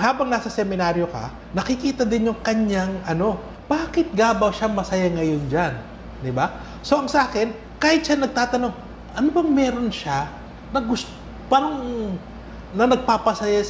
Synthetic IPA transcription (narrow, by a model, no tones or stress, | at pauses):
haːbɐŋnaːsɐsɛmɪnaːɾjo̞kɐ̰ | nɐkɪkiːt̪ɐd̪ɪnjoŋkɐɲjaŋʔɐno̞ | b̥aːkɪt̪̚ɡaːbɐwʃaŋmɐsɐjaŋɐjo̞nd͡ʒan | d̪ɪba | so̞ʔɐŋsɐʔaːkɪn | kaːhɪt̪ʃanɐɡ̚t̪aːt̪ɐno̞ŋ | ʔɐnobɐŋmɛːɾo̞nʃa | nɐɡʊst | paːɾɐŋ | nɐnɐɡ̚papɐsɐja